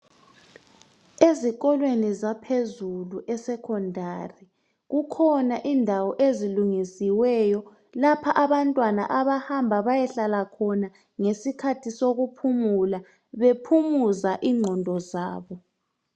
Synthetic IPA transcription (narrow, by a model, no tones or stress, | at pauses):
eziɣɔlwenizapʰezuluʔɛsɛkʰɔndʱari | ɣukʰɔnaʔindʱawɔʔeziluŋisiwɛjɔ | lapʰaʔaβantʼwana̰ʔaβahambʱaβajɛɬalakʰɔna | ŋesikʰatʰisoɣupʰumula | βepʰumuzaʔiŋ͡ǃʱɔndʱɔzaːβɔ